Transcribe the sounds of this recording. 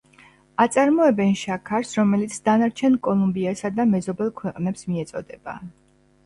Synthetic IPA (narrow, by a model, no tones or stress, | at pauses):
at̪sʼaɾmɔɛbɛnʃakʰaɾsɾɔmɛlit̪sʰd̪anaɾt͡ʃʰɛnkʼɔlˠumbiasad̪amɛzɔbɛlˠkʰwɛqʼnɛpsmiɛt̪sʼɔd̪ɛba̰